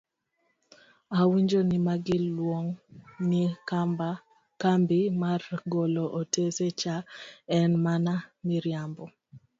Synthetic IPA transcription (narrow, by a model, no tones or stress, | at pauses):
awiɲd͡ʒonɪmaɡɪlwoŋnɪ | kambɪmarɡoloʔotʰeset͡ʃaɛnmanamiɾjambɔ